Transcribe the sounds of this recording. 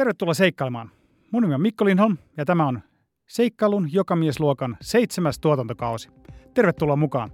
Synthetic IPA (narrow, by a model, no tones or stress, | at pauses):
t̪erʋet̪ːulːɑs̬e̞ikːɑˑlemɑːn | munːimeomikːolinonjɑt̪æmæon | se̞ikːɑlunjokɑmiesluokɑnse̞jt̪semæst̪uot̪ɑnt̪okɑusi̥ | t̪e̞rʋet̪ːulːɑmukɑ̰ːn